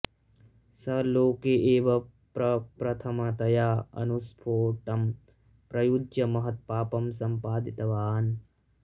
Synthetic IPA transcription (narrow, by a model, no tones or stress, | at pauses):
sɐloːkeːʔeːʋɐ | pɾɐpɾɐt̪ʰɐmɐt̪ɐjaːɐ̰nuspʰoːʈɐm | pɾɐjud͡ʒjɐmɐɦɐt̪̚paːpɐmsɐmpaːd̪it̪ɐʋaːn